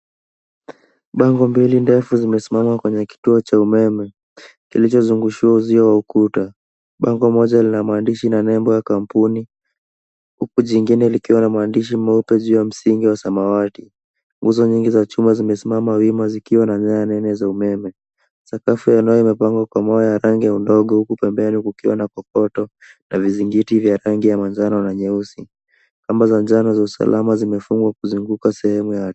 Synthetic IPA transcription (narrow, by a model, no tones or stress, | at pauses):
ɓaŋɡɔmbilindɛfuzimɛsimamakwɛɲɛki̥tuɔt͡ʃaumɛmɛ | kilit͡ʃɔzuŋɡuʃiauziɔwaukuta | ɓaŋɡɔmɔʄalinamwandiʃinanɛmbɔjakampuni | hukuʄiŋɡinɛlikiwanamwandiʃ̬im̩mɛupɛʄuːjam̩siŋɡiwasamawati | ŋɡuzɔɲiŋɡizat͡ʃumazimɛsimamawimazikiwanaɲaanɛnɛzaumɛmɛ | sakafujanajɔimɛpaŋɡwakwamɔjɔjaɾaŋɡijaundɔɠɔhukupɛmbɛnikukiwanakɔkɔtɔ | naviziŋɡitivjaɾaŋɡijamaɲd͡ʒananaɲɛusi | kambazaɲd͡ʒanazausa̰lʔamazimɛfuŋɡwakuzuŋɡukasɛhɛmuja